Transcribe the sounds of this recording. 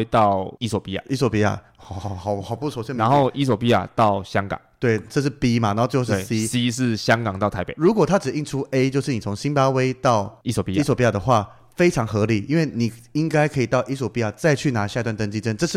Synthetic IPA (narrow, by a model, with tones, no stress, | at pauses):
e˥t̪ɑ˥˩ʊi˥sɔ˨˩pi˧˥a̰˨˩˨ʔi˥swɔ˨˩pi˥˩a̰˨˩ | xxɑ˨˩ʊxɑ˨˩ʊpu˥˩sʰɔ˧˥ɕmna˧nxo˥˩ʊʔi˥s̬wɔ˨˩pi˥a̰˨t̪ɑ˥˨ʊɕjɑ˥˦ŋkɑ̰˨˩˦ŋt̪we˥˩ɪʈ͡ʂɤ˥˧ʂ̬ɻ̩˥˩pi˥ma˨na˧˥o˥˧t͡ɕjo˥˧ʊʂsi˥si˧˥ʂ̬ɻ̩˥˩˨ɕjɑ˥˦ŋkɑ˨˩ŋt̪ɑ˥˩ʊt̪ʰa˧˥pe˨˩ɻu˧˥kwɔ˨˩t̪ʰa˥ʈ͡ʂɻ̩˨˩i˥˩nʈ͡ʂʰu˦e˥ɪt͡ɕjo˥˧ʊʂɻ̩˥˩ni˨˩t͡sʰo˧˦ŋɕi˥npa˥we˥ɪt̪ɑ˥˩ʊi˥swɔ˨˩pi˦˥swpi˧˥a˨˩d̪ə˩xwa˥˩ | fe˥ɪʈ͡ʂʰɑ˧˥ŋxɤ˧˥li˨˩ʔi˥nwe˥˩ɪni˨˩i˦ŋka˥ɪkʰɤ˧˥i˨˩t̪ɑ˥˩ʊʔi˥s̬wɔ˨˩pi˧˥a˨˩t͡sa˥˧ɪt͡ɕʰy˥˩na˧˥ɕja˥˩˧t̪wa˥˨nt̪ə˥˧nt͡ɕi˥˧˩ʈ͡ʂə˥nʈ͡ʂɤ˥˧ʂɻ̩˥˨